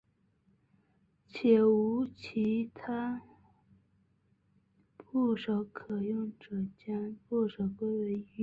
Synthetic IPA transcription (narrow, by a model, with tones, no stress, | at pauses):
t͡ɕʰjɛ˨˩u˧˥t͡ɕʰi˧˥t̪ʰa˥ | pu˥˩ʂo˧˩˥ʊkʰɤ˨˩jʊ˥˩ŋʈ͡ʂɤ˨˩t͡ɕjɑ˥npu˥˩ʂo˨˩ʊkwe˥ɪwe˧˥ɪi˧˥